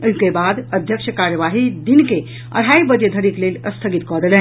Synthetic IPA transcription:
ukebaːd̪əd̪ʱjəkʃəkaːɾjəʋaːɦid̪inke | ɐ̰ɽ̤aːibəd͡ʒjəd̪ʱəɽikleːlʲəst̪ʰəɡit̪kɔd̪lẽ

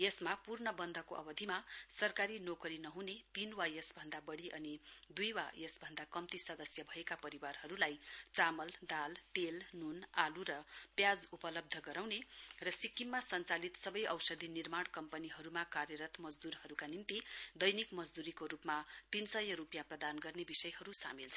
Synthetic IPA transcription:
jesmapurɳʌbʌnd̪ʱʌkoʔʌ̰bʌd̪ʱimasʌrkaɾinokʌɾinʌɦunet̪inwajesbʱʌnd̪abʌɽiʔʌnid̪ujwa̰jesbʱʌnd̪akʌmt̪isʌd̪ʌsjʌbʱʌekapʌɾiwarɦʌɾulajt͡samʌld̪alt̪elnunaluɾʌpjad͡zupʌlʌb̚d̪ʱʌɡʌɾawnerʌsikːimːasʌnt͡salit̪sʌbʌjʌwsʌd̪ʱinirmaɽkʌmpʌniɦʌɾumakarjʌɾʌt̪mʌd͡zd̪uɾɦʌɾukanimt̪id̪ʌjnikmʌd͡zd̪uɾikoɾupmat̪insʌjʌɾupjãprʌd̪anɡʌrnebisʌjɦʌɾusa̰milt͡sʰʌ

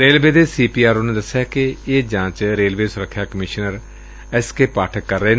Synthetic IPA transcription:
ɾeːlʋeːd̪eːsiːpiːaːɾonẽːd̪əsːjaːkɪeːd͡ʒãːt͡ʃɾeːlʋeːsʊɾəkʰːjaːkəmɪʃnəɾ | ɛskeːpaːʈʰəkːəɾːəeː

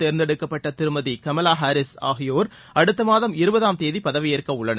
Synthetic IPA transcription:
t̪eːɾnd̪ɛɽɯkːɐpːɐʈːɐt̪ɪɾɯmɐðikɐmɐlaːɦaːɾɪsa̰ːɣɪjoːɾ | ɐɽɯt̪ːɐmaːðɐmɪɾɯbɐðaːmt̪eːðipɐðɐʋɪjeːrkɐʊɭːɐnɐ̰

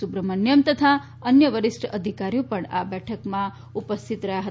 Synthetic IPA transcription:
subɾəmənjəmt̪ət̪ʰa | ənjəʋəɾisʈəʔəd̪ʱikaɾjopəɳa̰bɛʈʰəkmã | upəst̪ʰit̪ɾəɦjaɦə

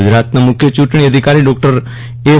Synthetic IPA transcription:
ʊd͡ʒɾaːt̪namʊkʰːjət͡ʃuːʈɳ̃ɽiəd̪ʱɪkaːɾiːɖɔːk̚ʈəɾ | eː

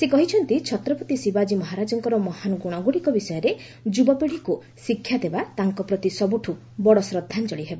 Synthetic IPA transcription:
sekɔɦit͡ʃʰɔnt̪it͡ʃʰɔt̪ɾɔput̪isibad͡ʒimɔɦaɾad͡ʒɔŋkɔɾɔmɔhanɡuɽ̃ɔɡuɽikɔbisɔjɔɾe | d͡ʒubɔpiɽ̤iku | sikʰːjad̪ebat̪aŋkɔpɾɔt̪isɔbuʈʰu | bɔɽɔsɾɔd̪ʱːant͡ʃɔɽiɦebɔ

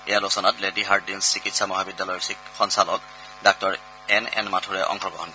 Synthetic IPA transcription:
ɛjalosɔnatlediɦaɹdinsːikitsamɔɦabidːalɔjɔxɔnsalɔk | dak̚tɔɹ | ɛnɛ̰nmatʰuɹɛʔɔ̰ŋxʰɔɡɔ̰ɦɔn

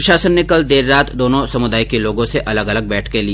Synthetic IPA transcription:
ʃaːsənːɪkəld̪eːɾːaːt̪d̪oːnõsɐmʊd̪aːjkeloːɡõseʔɐləɡɐləɡ̚bɛːʈʰkeli

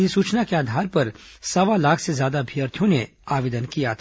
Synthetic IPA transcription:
isuːt͡ʃnakeaːd̪ʱaːɾpɐɾsɐʋalaːkʰsezjaːd̪abʱiəɾt̪ʰjõne | aːʋeːd̪ənkijat̪ʰː

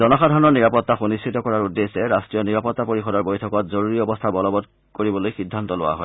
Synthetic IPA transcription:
zɔnɔxadʱaɹnɔɹniɹapɔtːaxunistʰitɔkɔɹaɹudːesɛɹastɹijɔniɹapɔtːapoɹixɔdɔɹbojtʰɔkɔtzoɹuɹiɔbɔstʰabɔlɔbɔd | koɹibɔlojxidʱːantɔlowa̰ɦɔ̰

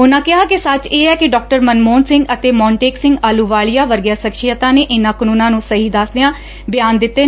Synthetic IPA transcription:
ʊnãːkɪɦaːkɪsət͡ʃeːɛːkɪɖɔːk̚ʈəɾmənmoːnsɪ̃ŋɡət̪eːmɔːɳʈeːksɪ̃ŋɡaːluːʋaːɭɪjaːʋəɾɡjaːsəkʃɪət̪ãːneːʔɪnãːkənuːnãːnũːsəɦiːd̪əsd̪ɪjãː | bɪjaːnd̪ɪt̪ːeː

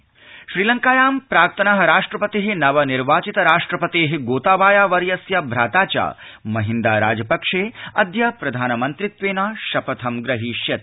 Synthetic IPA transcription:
ʃɾiːlɐŋkaːjaːmpɾaːk̚t̪ʰɐnɐɦɐɾaːʂʈɾɐpɐt̪iɦinɐʋɐniɾʋaːt͡ʃit̪ɐɾaːʂʈɾɐpɐt̪eːɦiɡoːt̪aːʋaːjaːʋɐɾjɐsjabʱɾaːt̪aːt͡ʃa̰ːmɐɦind̪a̰ːɾa̰ːd͡ʒɐpɐkʂeːɐd̪jɐpɾɐd̪ʱaːnɐmɐnt̪ɾit̪ʋeːnaːʃɐpɐt̪ʰɐmɡɾɐɦiːʃjɐt̪̚

